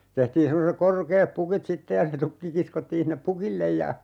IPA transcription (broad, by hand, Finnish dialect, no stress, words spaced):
tehtiːn semːosek korkeːp pukit sitːe jɑ se tukːi kiskotːiːn sinːep pukilːej jɑ